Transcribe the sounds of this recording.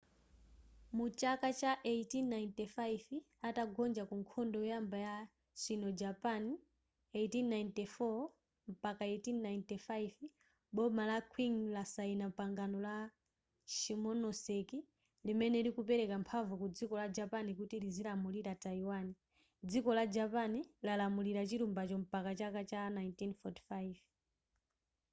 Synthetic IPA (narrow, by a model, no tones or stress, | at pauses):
mut͡ʃakat͡ʃaʔeitinːajintɛfajv | ataɡɔnd͡ʒakuŋkʰɔndɔujambaja | sʷinɔd͡ʒapani | etinnajntɛfɔ | m̩pakaetinːajintɛfaiv | ɓɔmalakʰwiŋlasainampaŋɡanɔla | ʃimɔnɔsɛki | limɛnɛiɾikupɛɾɛkampʰaɱvukud͡zikɔlad͡ʒapanikutilizilamuliɾataiwani | d͡zikɔlad͡ʒapanilalamuliɾat͡ʃiɾumbat͡ʃɔm̩pakat͡ʃakat͡ʃanajntinfɔti̥faiv